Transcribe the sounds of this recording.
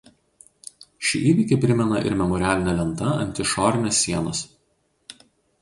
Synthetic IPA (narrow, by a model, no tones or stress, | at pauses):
ʃʲɪʔiːʋʲɪkʲɪpʲɾʲɪmʲɛnɐʔɪ̰ɾmʲɛmɔɾʲɪæːlʲɪnʲɛlʲɛnˑt̪ɐɐ̰nʲt̪ʲɪʃɔːɾʲɪnʲesʲːiɛnɐs